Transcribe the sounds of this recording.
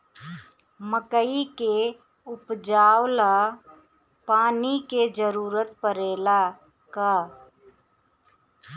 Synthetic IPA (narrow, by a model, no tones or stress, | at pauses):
məkəike | ʊpd͡ʒaːwla | paːniked͡ʒəɾuːɾət̪̚pəɾeːla | ka